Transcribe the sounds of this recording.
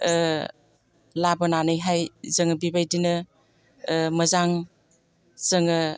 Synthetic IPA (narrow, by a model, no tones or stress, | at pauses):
labɔnanɯjɦajzəŋɐbibajdinɯ | məzaŋ | z̥əŋɯ